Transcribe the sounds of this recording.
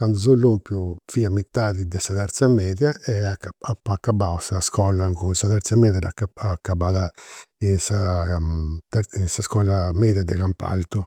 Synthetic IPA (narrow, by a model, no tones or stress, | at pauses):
kand̪zolːompjufiːamit̪ːaːðid̪ɛsat̪ɛɾt̪samɛːðjaɛakaapakːabausaskɔlaŋkusat̪ɛɾt̪samɛːðjadakːaakːabaðainsa | t̪insaskɔlamɛd̪jad̪ɛɣampa̰lt̪u